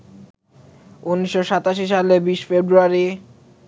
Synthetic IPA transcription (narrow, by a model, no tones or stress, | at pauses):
unːiʃːoʃat̪aʃiʃalebiʃfebɾuaɾi